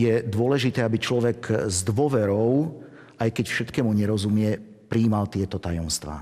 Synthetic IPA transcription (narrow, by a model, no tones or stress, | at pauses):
jɛd̪ʊɔlɛʒit̪ɛːabit͡ʃlɔʋɛɡzd̪ʋʊɔʋɛɾɔʊ | ajkɛcfʃɛt̪kɛmuɲɛɾɔzumɪɛ | pɾiːmalt̪ɪɛt̪ɔt̪ajɔmst̪ʋa̰ː